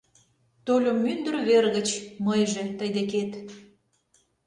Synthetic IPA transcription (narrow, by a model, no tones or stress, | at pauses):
t̪olʲomːynd̪ə̆rβerɣət͡ɕməjʒet̪əjd̪eket̪